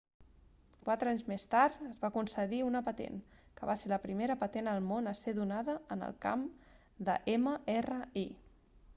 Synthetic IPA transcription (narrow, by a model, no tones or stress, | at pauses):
kwat̪ɾəaɲzmest̪aɾt̪əzβakunsəðiunəpət̪ḛnkə̰βaseləpɾimeɾəpət̪enəlˠmonəseðunaðəənə̰lˠka̰m | d̪ə̰ʔeməerəi